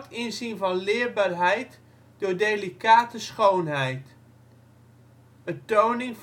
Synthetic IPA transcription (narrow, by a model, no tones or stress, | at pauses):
tɪnzinvɑnlɪːɹbaɹɦɛjt | d̥ʊːɹdelikaːtəsχownɦɛjt | ətownɪŋf